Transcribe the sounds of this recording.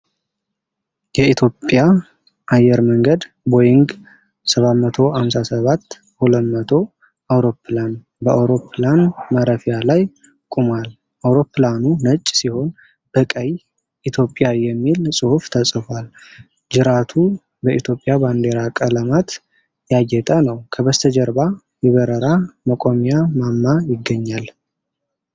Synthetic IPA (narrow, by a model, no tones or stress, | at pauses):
jɛit̪ʰjo̞pʼːja | ʔajɛɾməŋɡəd̪ | bo̞jɪŋɡ | səβat̪mət̪ʰo̞hamsasəβat̪ː | hulət̪mət̪ʰo̞ | awɾo̞pːlan | bəʔawɾo̞pʰlanmaɾəfijalaj | kʼumal | ʔawɾo̞pːlanunət͡ʃʼːsiho̞n | bəkʼəj | ʔit̪ʰjo̞pʼːjajɛmːilsʼɨhuft̪ʰəsʼfal | d͡ʒɨɾat̪ʰu | bəʔit̪ʰjo̞pʼːjaband̪e̞ɾakʼələmat̪ | jajːɛt̪ʼənəwkʰəbəst̪ʰəd͡ʒəɾba | jɛβəɾəɾaməkʼo̞mijamamːajɪɡːəɲːal